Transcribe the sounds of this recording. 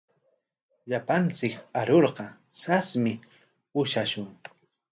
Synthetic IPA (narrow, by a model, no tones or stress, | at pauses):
ʎapant͡sɪkaɾoɾqɑ | sasmɪ | ʊʃaʃʊŋ